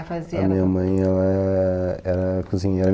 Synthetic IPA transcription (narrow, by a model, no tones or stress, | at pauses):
fɐziɐmĩɲɐmɐ̃j̃ɛlɐ | ɛɾɐkuzĩɲɐɛɾɐ